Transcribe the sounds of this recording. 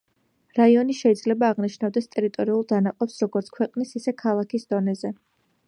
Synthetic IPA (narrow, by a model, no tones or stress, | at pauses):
ɾaiɔniʃɛid̪zlɛbaːʁniʃnavd̪ɛst̪ʼɛɾit̪ʼɔɾiulˠd̪anaqʼɔpsɾɔɡɔɾt̪sʰkʰwɛqʼnisisɛkʰalˠakʰisd̪ɔnɛzɛ